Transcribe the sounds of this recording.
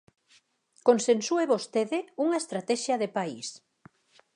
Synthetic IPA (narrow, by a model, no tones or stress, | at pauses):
konsensueβost̪eðɪuŋaest̪ɾat̪ɛʃjɐðepais